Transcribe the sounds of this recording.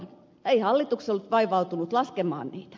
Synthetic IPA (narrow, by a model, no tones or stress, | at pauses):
n | eihɑlːit̪uksolːt̪ʋɑiʋɑut̪unut̪lɑskemɑ̰ˑːnniːt̪æ̥